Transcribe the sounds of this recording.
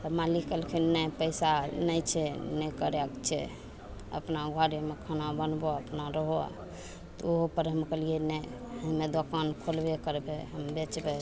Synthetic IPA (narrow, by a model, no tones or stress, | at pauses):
əmalikəlkʰinːəjpəɪsanəjt͡ʃʰɛnɛkəɾɛkt͡ʃʰɛ̰ | ə̰pnaɡʱwaɽimekʰənabənboəpnaɾəɦoa̰ | t̪ɔoɦopəɾɦəmkəlienɛ | ɦəmed̪okankʰolbekəɾbeɦəmbet͡ʃbɛ